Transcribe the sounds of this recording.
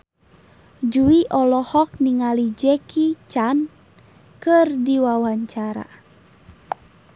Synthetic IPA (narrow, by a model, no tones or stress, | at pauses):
d͡ʒuiʔɔlɔhɔk̚niŋalid͡ʒɛkit͡ʃan | kɨrdiwawaɲt͡ʃaɾa̰